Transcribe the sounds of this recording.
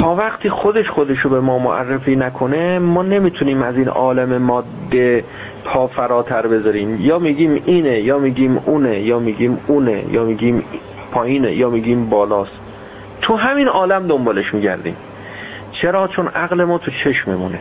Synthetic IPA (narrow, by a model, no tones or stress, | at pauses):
t̪ʰɒːvæχt̪ʰiːxo̞d̪eʃxod̪eʃobe̞mɒːmo̰ʔæ̰rːefiːnækʰo̞nemɒːne̞miːt̪ʰuniːmæziːnɒ̰ːlæme̞mɒːd̪ːe | pʰɒːfæɾɒːt̪ʰæɾbe̞zɒɾiːmjɒːmiːɡiːmiːnejɒːmiːɡiːmuːnejɒːmiːɡiːmuːnḛjʔɒ̰ːmiɡiːm | pʰɒːjiːnḛjɒːmiɡiːmbɒːlɒːs | t̪ʰuɦæmiːnɒːlæmd̪ombɒːle̞ʃmiːɟæ̰ɾd̪ḭːm | t͡ʃʰeɾɒːt͡ʃʰo̞nʔæɣle̞mɒːt̪ʰut͡ʃʰe̞ʃmimune